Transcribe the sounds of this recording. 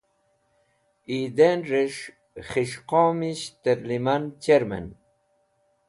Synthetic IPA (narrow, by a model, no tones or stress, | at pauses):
id̪enɾeʂ | χiʂqɔːmiɕt̪eɾlimant͡ɕeɾmḛn